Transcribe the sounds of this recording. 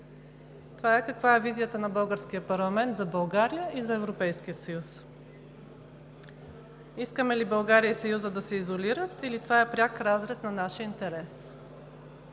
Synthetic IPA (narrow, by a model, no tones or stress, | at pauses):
t̪ovaɛkɐkvaɛvizijət̪ənɐbɤlˠɡəɾsk̟ijəpɐɾlˠɐmɛnt̪zɐbɐlˠɡaɾijəʔizɐɛvɾopɛjskiəsɐjus | iskəmɛlibɐlˠɡaɾijəisɐjuzəd̪ɐsɛizoliɾət̪ilit̪ovaɛpɾʲjakɾazɾɛsnɐnaʃəint̪ɛɾɛs